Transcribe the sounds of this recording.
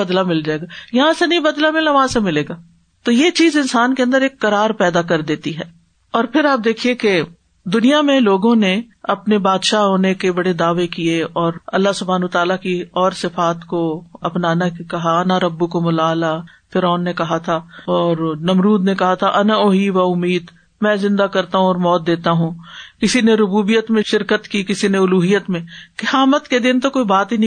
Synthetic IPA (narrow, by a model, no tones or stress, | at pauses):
ɐd̪lamɪld͡ʒaːeːɡajɐɦãsenɐɦĩbɐd̪lamɪlaʋɐɦãsemɪleːɡaː | t̪ojet͡ʃiːzɪnsaːnkeɐ̃nd̪əɾeːkːɐɾaːɾpɛːd̪akɐɾd̪eːt̪iɦɛː | ɔːɾpʰɪɾaːp̚d̪eːkʰieke | d̪ʊnijamẽloːɡõneɐpnebaːd̪ʃaɦoːnekebɐɽed̪aːʋekieɔːɾɐ̰lːaɦsʊbʱaːnət̪aːlakiɔːɾsɪfaːt̪koɐpnaːnakɐɦaɐnaɾɐbːukomʊlaːla | fɪɾɔːnːekɐɦat̪ʰaɔːɾnɐmɾuːd̪nekɐɦat̪ʰaʔɐnaoːɦiʋaʊmːiːd̪ | mɛ̃ːzɪ̃nd̪akɐɾt̪aɦũɔːɾmɔːt̪̚d̪eːt̪aɦũkɪsineɾʊbuːbijət̪mẽʃɪɾkət̪kikɪsineʊluːɦijət̪mẽkɪhaːmət̪ked̪ɪnt̪okoːibaːt̪ɦin